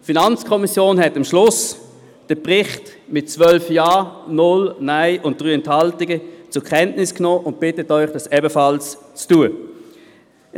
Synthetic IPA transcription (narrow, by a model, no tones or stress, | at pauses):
finant͡skʰɔmisjoːnhɛtɪmʃlʊs | d̥əpʁɪχtmɪt̚t͡svœlfjaːnʊlnaɪʔʊnt̚d̥ʁyːɛnthɑltɪɡət͡sʊkʰɛntnɪsknoːʔʊnt̚b̥ɪtətœʏχd̥ɑsɛbəfɑlst͡stuə